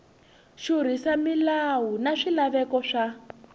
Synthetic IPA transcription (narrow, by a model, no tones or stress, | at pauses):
ʃuɾ̤isamilawunaʂilaβɛkɔʂa